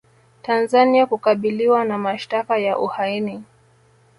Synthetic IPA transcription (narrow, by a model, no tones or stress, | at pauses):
tanzaniakukaɓiliwanamaʃtakajaʔuhaini